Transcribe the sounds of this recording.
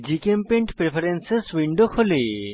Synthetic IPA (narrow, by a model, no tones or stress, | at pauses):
d͡ʒikempeɳʈpɾepʰɐɾenseswiɳɖokʰole